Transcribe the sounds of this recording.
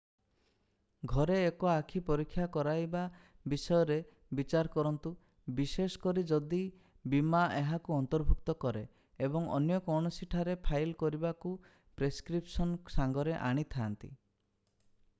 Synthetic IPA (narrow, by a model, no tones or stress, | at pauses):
ɡʱɔɾeːkɔakʰipɔɾikʰːjakɔɾajba | bisɔjɔɾe | bit͡ʃaɾkɔɾɔnt̪u | bisesɔ̥kɔɾid͡ʒɔd̪i | bimaeɦakuɔnt̪ɔɾbʱuk̚t̪ɔkɔɾe | ebɔŋɔ̰njɔkɔwɳ̃ɔsiʈʰaɾepʰajlkɔɾibaku | pɾeskɾipsɔnsaŋɡɔɾeʔa̰ɽ̃it̪ʰaːnt̪ḭ